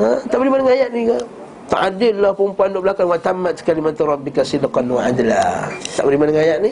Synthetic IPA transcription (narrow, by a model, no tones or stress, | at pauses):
at̪aʔbəɾimadəŋajaʔniɡa | t̪aʔadənːapəumpuandoʔbəlakanwat̪amat̪skalimat̪aɾɔbikasidqanwaad͡ʒla̰t̪aʔbəɾimadəŋajaʔni